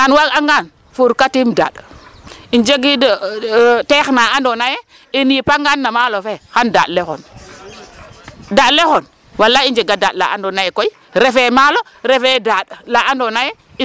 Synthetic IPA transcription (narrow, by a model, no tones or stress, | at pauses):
anwakaŋɡan | fuɾkatimda̰ɗ | ind͡ʒeɡidtexnaandonaje | inipaŋɡanːamalofexanda̰ɗlexɔ̰n | daɗlexon | walːaind͡ʒeɡadaɗla̰andonajɛkoi | ɾefemalo | ɾefedaɗlaʔandonaje | i